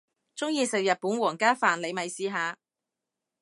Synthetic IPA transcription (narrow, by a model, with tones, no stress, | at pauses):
t͡sʊ˥ŋjiː˧sɪ˨k̚jɐ˨t̚puː˨˥nwɔː˨˩ŋkaː˥faː˨nle˨˧jmɐ˨˧jsiː˨˧ɦaː˨˧